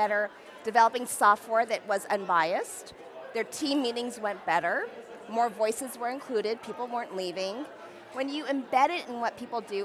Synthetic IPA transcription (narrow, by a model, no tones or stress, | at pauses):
ɛɾə˞ | d̥ɨvɛlˠəpɪ̃ŋsɔft̚wɛɹðɨʔ̚wʌzɨ̰̃nbaɪɨst | ðə˞tʰĩmːiɾɪ̃ŋzwɛ̃nb̥ɛɾə˞ | mɔɹvɔɪsɨzwə˞ɨ̃nkʰl̥ʉɾɪd̚pʰipl̩ˠwɜ̃˞nʔlivɪ̃ŋ | wɨ̃njɨɨ̃mbɛɾɨɾɨ̃nwʌt̚pʰipl̩ˠdɨ